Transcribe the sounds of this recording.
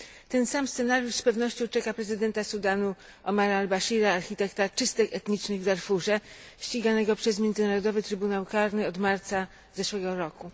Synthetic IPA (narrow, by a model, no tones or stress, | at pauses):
t̪ɛnsamst̪sɛnaɾjuʂspɛvnɔɕt͡ɕɔ̃w̃t͡ʂɛkapɾɛzɘd̪ɛnt̪asud̪anu | ɔmaɾaːlbaɕiɾaːɾxʲit̪ɛkt̪at͡ʂɘst̪ɘxɛt̪ɲit͡ʂnɘɣvd̪aɾfuʐɛɕt͡ɕiɡanɛɡɔpʂɛs̬mʲjɛndzɘnaɾɔd̪ɔvɘt̪ɾɘbunawkaɾnɘɔd̪maɾt̪sa | zɛʂwɛɡɔɾɔku